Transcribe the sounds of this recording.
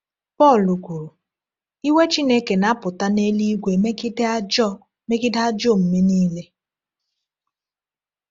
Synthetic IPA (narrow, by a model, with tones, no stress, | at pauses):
pɔ˦˨lu˨kʷu˨ɾu˨ | i˦we˦t͡ʃi˦ne˦ke˨na˨˦pʊ˨ta˦ne˦li˦ɡʷe˨me˦ki˦de˦a˦d͡ʒɔ˦˨ | me˦ki˦da˦d͡ʒo˦˨m̩˨me˦niː˦le˦